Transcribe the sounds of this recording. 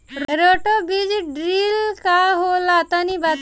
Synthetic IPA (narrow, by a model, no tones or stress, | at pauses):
ɾɾoʈobid͡ʒɖɾilkaɦolat̪anibat̪